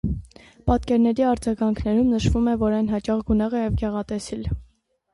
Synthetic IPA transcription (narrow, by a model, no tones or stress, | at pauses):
pɑt̪kɛɾnɛɾiɑɾd͡zɑɡɑŋkʰnɛɾumnəʃvumɛvɔɾɑjnɦɑt͡ʃɑχɡunɛʁɛjɛvɡɛʁɑt̪ɛsil